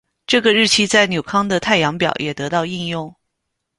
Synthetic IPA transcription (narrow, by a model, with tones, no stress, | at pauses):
ʈ͡ʂɤ˥˩ɡə˩ɻɻ̩˥˩t͡ɕʰi˥t͡sa˥˩ɪnjo˨˩ʊkʰɑ˥ŋd̪ə˨t̪ʰa˥˩ɪjɑ˧˥ŋpjɑ˨˩ʊjɛ˨˩t̪ɤ˧˥t̪ɑ˥˧ʊi˥˧njʊ˥˩ŋ